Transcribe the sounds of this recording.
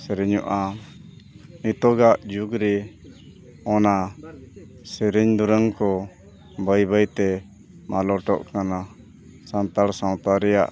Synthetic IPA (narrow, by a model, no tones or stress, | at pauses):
sɛɾɛɲɔʔa | nit̪ɔɡaʔd͡ʒuɡɾɛ | ɔna | sɛɾɛɲd̪uɾəŋkɔ | bəjbəjt̪ɛ | malɔʈɔ̰ʔkana | sant̪aɽsãw̃t̪aɾɛja̰ʔ